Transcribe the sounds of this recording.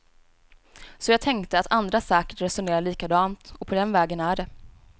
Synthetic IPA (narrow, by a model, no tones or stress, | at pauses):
sɔjɑːɡ̚t̪ʰɛŋkt̪əat̪ʰand̪ɾasæːkə̥ʈɾɛsʊneːɾaɭiːkad̪ɑːmt̪ɔpʰɔd̪ɛnvɛːɡənæɖɛ